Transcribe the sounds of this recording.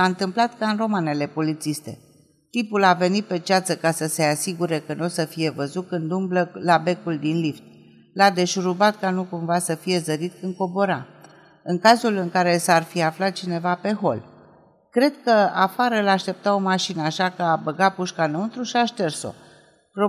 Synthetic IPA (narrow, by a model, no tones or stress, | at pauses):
ant̪ɨmplat̪kaɨnɾo̞mane̞le̞polit̪sist̪e̞̰ | t̪ipulave̞nit̪̚pe̞t͡ʃiat̪səkasəse̞asiɡuɾe̞kənosəfije̞vəzut̪̚kɨnd̪umbləlabe̞kuld̪inlift̪ʲ | lad̪e̞ʃɾubat̪kanukumvasəfije̞zəɾit̪kɨn̚ko̞bo̞ɾa̰ | ɨŋkazulɨŋkaɾe̞sarfiaflat̪̚t͡ʃine̞vape̞ɦo̞̰l | kɾe̞d̪kəafaɾəɨlaːʃt̪e̞p̚t̪ao̞maʃinəaʃakəabəɡapuʃkanəunt̪ɾuʃiaʃt̪e̞rso̞̰ | ro